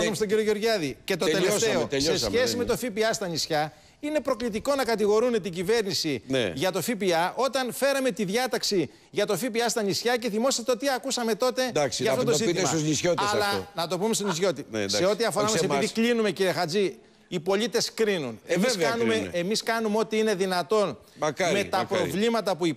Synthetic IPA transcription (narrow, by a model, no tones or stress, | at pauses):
umst̪oɟiɾiojeo̞ɾʝɐðice̞t̪oeleseosessçe̞sime̞t̪o̞fipiɐst̪ɐnisçɐ | ine̞pɾo̞klit̪iko̞nɐkɐt̪iɣo̞ɾune̞t̪iɟive̞ɾnisinʝɐt̪o̞fipiɐʔo̞t̪ɐnfe̞ɾɐme̞t̪iðʝɐt̪ɐksi | ʝɐt̪o̞fipiɐst̪ɐɲisçɐce̞θimo̞sɐst̪eot̪iɐkusɐme̞t̪o̞t̪e̞d̪ɐksʝɐft̪ot̪ozit̪isuznisçot̪ɐslɐnɐt̪o̞pume̞st̪onisço̞t̪ise̞o̞t̪iɐfo̞ɾɐmɐsepiðiklinume̞ciɾiexɐd͡zi | ipo̞lit̪e̞skɾinunemisnumeemiskɐnumeo̞t̪iine̞ðinɐt̪o̞n | ɐkme̞t̪ɐpɾɾo̞vlimɐt̪ɐpui